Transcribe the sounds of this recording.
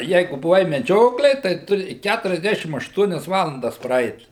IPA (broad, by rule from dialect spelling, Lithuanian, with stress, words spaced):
ˈjɛɪɡʊ bʊˈʋɐɪ mʲɛˈd͡ʒʲoːklʲeːj tɐɪ ˈtʊrʲɪ ˌkʲætʊrʲɛzʲˈdʲæːʃʲɪm ɐʃˈtuɔnʲɛs ˈʋɑːlˠɐndɐs prɐˈɛɪt